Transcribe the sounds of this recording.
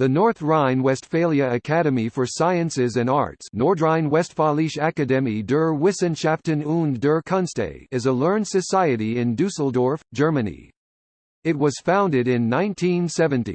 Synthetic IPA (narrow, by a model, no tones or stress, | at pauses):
ðɨnɔɹθɹãɪ̃nwɛstfeɪlˠjɨɨkʰæɾɨmifə˞saɪɨ̃nsɪzɨ̃nɑ̰ɹtsnɔɹdɹãɪ̃nwɛstfɑlˠiʃækɨdɛmidɜ˞wɪsɨ̃nʃæp̚tɨ̃nũndə˞kʰʌ̃nstḛɪɨzəlɜ̃˞n̥sɨsaɪɨɾiɪ̃ndʉsl̩ˠdɔɹfd̥ʒ̥ɜ˞mɨnḭ | ɨt̚wʌz̥fãʊ̃ndɨɾɪ̃nːãɪ̃ntʰĩnsɛvɨ̃ntḭ